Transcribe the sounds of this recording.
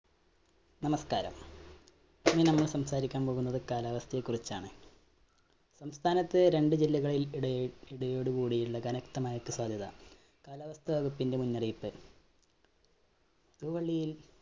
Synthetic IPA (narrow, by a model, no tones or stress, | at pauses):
nɐmɐskaːɾɐ̰m | ɐmːinɐmːɐɭsɐmsaːɾikʲːaːnpo̞ːɣunːɐðɨkaːlaːʋɐst̪ʰɐjekːurit͡ɕːaːɳɨ | sɐmst̪ʰaːnɐt̪ːɨɾe̞ɳɖɨd͡ʑilːɐɣɐɭilɽiɽɐjo̞ːɽukuːɽijuɭːɐkɐnɐkt̪ɐmaːjɐkːɨswaːd̪ʱjɐðɐ̰ | kaːlaːʋɐst̪ʰɐʋɐɣupːinde̞munːɐrijpːɨ | t̪uːʋɐɭːijil